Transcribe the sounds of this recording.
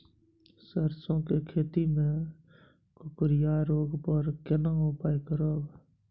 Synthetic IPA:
səɾsõkekʰeːt̪imẽ | kʊkɾjaɾoːɡpɔɾkɪnãʊpaːikɾoːɡ

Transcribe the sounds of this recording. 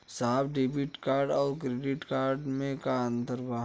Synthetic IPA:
saːbɖebiʈkaːɾɖɔːɾkɾeːɖɪʈkaːɾɖmẽkaə̃nt̪əɾbaː

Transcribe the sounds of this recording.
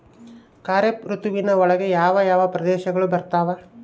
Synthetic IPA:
kaːɾepɾut̪uʋinɐɔɭɐɡe̞jaːʋɐjaːʋɐpɾɐd̪ɛːʃɐɡɐɭubɐɾt̪aːʋɐ

